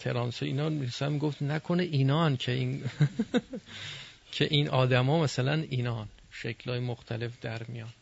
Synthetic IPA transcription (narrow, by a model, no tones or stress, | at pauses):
t̪ʰeɾɒːnseinɒsænmiɡoft̪nækʰoneʔiːnɒːncʰein | cʰeʔinʔɒːd̪æmɒːmæsælæniːnɒːnʃekʰlɒːjemoxt̪ʰæle̞fd̪æɾmijɒn